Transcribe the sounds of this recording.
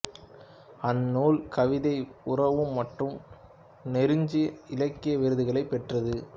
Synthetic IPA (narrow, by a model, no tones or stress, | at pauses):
ɐnːoːlkɐʋɪðɐɪʊrɐʋɯmːɐʈrɯm | nɛɾɯɲd͡ʒɪɐɪlɐkːɪjɐʋɪɾɯðɯɣɐɭɐɪpːɛʈrɐðɯ